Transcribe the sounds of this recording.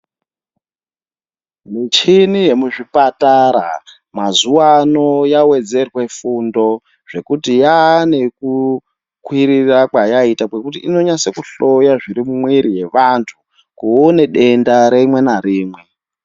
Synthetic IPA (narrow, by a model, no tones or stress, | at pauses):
mit͡ʃinije̞muʐipataɾa̰ | mazuwano̞jawe̞d͡ze̞rwe̞fundo̞ | ʐ̥e̞kutijane̞ku | kwiɾirakwajaitakwekutiino̞ɲase̞kuɬo̞jaʐiɾimumwiɾije̞ʋantʰu | kuone̞ɗe̞ndaɾemwe̞naɾiːmwe̞